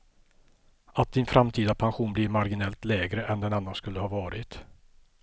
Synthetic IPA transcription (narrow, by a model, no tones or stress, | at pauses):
at̪̚d̪ɪnfɾamt̪ʰiːd̪apʰanɧuːnblɪɾmaɾɡɪnɛlt̪lɛːɡɾəʔɛnd̪ɛnanːanskɵlːəhɑːvɑːɾɪt̪